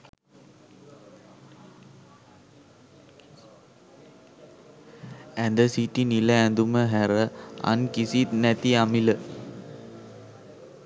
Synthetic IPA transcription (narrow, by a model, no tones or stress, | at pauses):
ænd̪əsiʈiniləɛnd̪uməɦæɾəa̰nkisit̪nɛt̪iamilə